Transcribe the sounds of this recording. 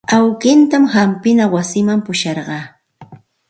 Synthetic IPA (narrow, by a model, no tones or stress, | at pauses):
awkɪnt̪amhampɪnawasɪmampʊʃɑɾɢɑː